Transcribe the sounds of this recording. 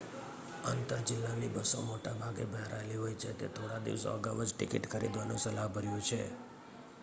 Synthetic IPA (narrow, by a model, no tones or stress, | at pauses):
ənt̪əd͡ʒɪlːanibəsomoʈabʱaɡḛbʱəɦɾajliɦojt͡ʃʰet̪ḛt̪ʰoɽad̪ḭʋso̰ə̰ɡaʋəd͡ʒʈɪkiʈkəɾḭd̪ʋanṵ̃səlaɦbʱəɾjũt͡ʃʰḛ